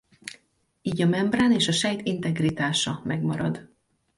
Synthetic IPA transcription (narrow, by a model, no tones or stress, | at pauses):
iːɟɒmɛmbraːneːʃɒʃɛjt̪int̪ɛɡrit̪aːʃɒmɛɡmɒɾɒd̪